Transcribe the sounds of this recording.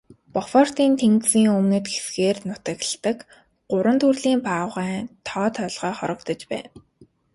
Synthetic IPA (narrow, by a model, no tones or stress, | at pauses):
pɔfɔr̥t̪iːnt̪ʰeŋksiːŋɵmnɘ̆t̪ɡesɡeːrnʊt̪ə̆ɣə̆ɬt̪ə̆k | ɢʊɾwə̆nt̪ʰurɮiːmpaːʁæːt̪ʰɔːt̪ʰœːɮʁœːχɔɾɞ̆kt̪ɞ̆t͡ɕpæ̰ːn